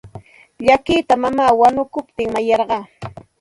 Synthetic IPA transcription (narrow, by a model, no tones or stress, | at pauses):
ʎakiːt̪amamaːwanʊkʊpt̪ɪŋmajɑɾɢɑː